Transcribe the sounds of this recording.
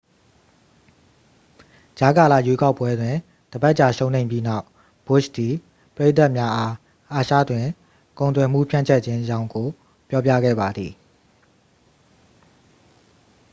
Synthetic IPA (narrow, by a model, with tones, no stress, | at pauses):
d͡ʑa˨˦ka˨lä̰˦˨jwe˦ka˦ʊpːwɛ˦dwɪ̃˨ | d̥əba˦ʔt͡ɕa˨ʃõ˦ʊ̃nẽ˨ɪ̃mpji˦na˦ʊʔ | b̥ʊ˦ʃd̪i˨ | pəɹe˦ʔt̪a˦ʔmja˦ʔa˦ | ʔa˨ʃa̰˦˨dwɪ̃˨ | kõ˨ʊ̃nt̪wɛ˨m̥ṵ˦˨pʰjã˦˨t͡ɕʰɛ˦ʔt͡ɕʰɪ̃˦jã˦ʊ̃ŋɡo˨ | pjɔ˦p̬ja˦ɡɛ̰˦˨ba˨d̪ði˨